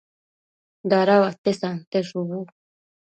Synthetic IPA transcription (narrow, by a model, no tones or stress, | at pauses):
d̪aɾawat̪esant̪eʂuβu